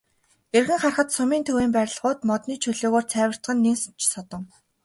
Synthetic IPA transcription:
erɣɘ̆ŋχarχə̆t̪sʊmiːnt̪ʰɵweːmpæɾ̆ʲɮʁʊːt̪mɔt̪niːt͡ɕʰɵɮoːɣoːrt͡sʰæːwə̆r̥t̪ɢə̆nːeŋst͡ɕʰsɔt̪ɞ̆ŋ

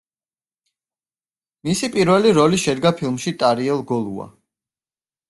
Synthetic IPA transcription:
misipʼiɾvɛliɾɔliʃɛd̪ɡapʰilˠmʃit̪ʼaɾiɛlˠɡɔlˠua̰

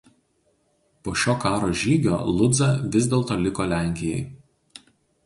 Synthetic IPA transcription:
poːʃʲoːkɑːɾoːʒʲiːɡʲo̰ːlˠʊd̪zɐʋʲɪzʲd̪ʲeːlˠt̪oːlʲɪkoːlʲæˑŋʲkʲɪjɛɪ

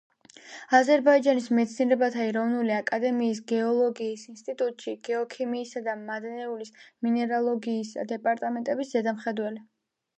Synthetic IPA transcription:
azɛɾbaid͡ʒanismɛt̪sʰniɛɾɛbat̪ʰaɛɾɔvnuliakʼad̪ɛmiːsɡɛɔlˠɔɡiːsinst̪ʼit̪ʼut̪ʼʃiɡ̥ɛɔkʰimiːsad̪amad̪nɛulisminɛɾalˠɔɡiːsa̰d̪ɛpʼaɾt̪ʼamɛnt̪ʼɛbiszɛd̪amχɛd̪wɛli

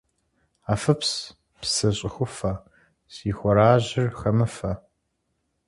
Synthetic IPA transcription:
aːfɐps | psɐɕʼɪxʷʊfɐ | siːxʷɔɾaːʑɪrxɐmɨfɐ

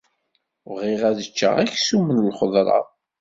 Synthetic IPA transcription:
ʁiʁæðət͡ʃːə̰ʁæçsumənlχəðˤɾˤɑ̰

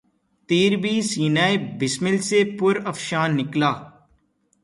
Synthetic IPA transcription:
t̪iːɾbiːsiːnaːebɪsmɪlsepʊɾəfʃaːnːɪklaː

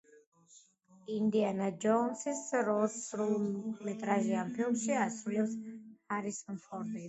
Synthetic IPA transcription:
ind̪ianad͡ʒɔnsisɾɔsɾulˠmɛt̪ʼɾaʒiampʰilˠmʃiasɾulɛpshaɾisɔnfʰɔɾd̪i

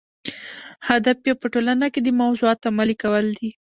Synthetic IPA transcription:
had̪afjapəʈolanaked̪əmawzuɑt̪amalikawəld̪i

